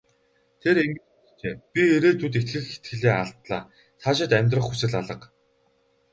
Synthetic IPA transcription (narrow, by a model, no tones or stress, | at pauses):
t̪ʰeɾeŋɡɘ̆ | t͡ɕeːpʲieɾeːt̪ʰut̪et̪xɘ̆xxe̥t̪̚ɡɘ̆ɮeːaɬt̪ɮa̰ː | t̪ʰaːʃ̬ɪ̆t̪æmʲt̪rə̆χusɘ̆ɮaɮə̆q